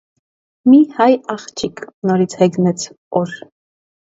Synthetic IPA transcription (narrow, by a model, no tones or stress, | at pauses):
mihɑjɑχt͡ʃʰikʰnɔɾit͡sʰhɛɡnɛt͡sʰ | ɔɾ